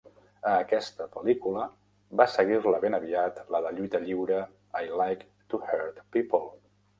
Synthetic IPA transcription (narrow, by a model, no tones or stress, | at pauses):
əːkɛst̪əpəlikulə | βasəɣirləβenəβiat̪ləðəʎujt̪əʎiwɾə | ajlajk | t̪uhəɾt̪pipolˠ